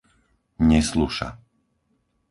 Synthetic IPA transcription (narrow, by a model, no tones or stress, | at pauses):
ɲɛsluʃa̰